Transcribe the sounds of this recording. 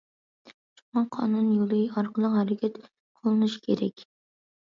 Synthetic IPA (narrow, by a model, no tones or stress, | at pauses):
ʃu̥ŋɑqʰɑ̰nunjolˠɨɑɾqʰəlˠəqhæɾɪkʲʰɛt̪ | qʰolˠɨnuʃi̥kʲʰeɾɛ̰kʲ